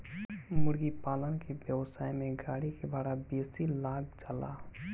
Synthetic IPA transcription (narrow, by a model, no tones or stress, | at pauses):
mʊɽɡipaːlənkebjəwsaːimẽɡaːɽikebaːɽabeːsilaːɡ̚d͡ʒala̰